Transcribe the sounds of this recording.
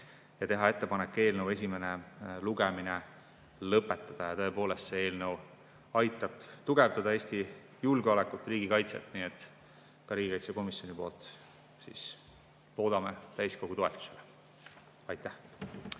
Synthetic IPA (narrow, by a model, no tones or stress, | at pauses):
jɑt̪e̞ɦɑe̞t̪ːˑe̞pɑnekːˑe̞ːlnəwe̞s̬ʲime̞neluɡemine | lɤpːˑet̪ːˑɑd̪̥ɑjɑt̪ɤ̞e̞po̞ːle̞st̪se̞e̞ːlnɤw | ɑjt̪ːˑɑb̥̚t̪uɡe̞vd̪ɑd̪ɑe̞ːst̪i | julɡeolɛkːˑult̪ːˑriːɡ̥ikɑjt̪sḛt̪ːˑniːet̪ːˑ | kɑɾiːɡikɑjt̪seko̞misjo̞nipo̞ːlt̪ˑ | sḭs | lo̞ːd̪ɑmet̪æjsko̞ɡ̥ut̪o̞e̞t̪ːˑu̥sele | ɑjt̪ːæh